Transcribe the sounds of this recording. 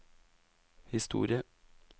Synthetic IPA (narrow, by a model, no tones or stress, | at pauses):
hɪst̪ṵːɾɪə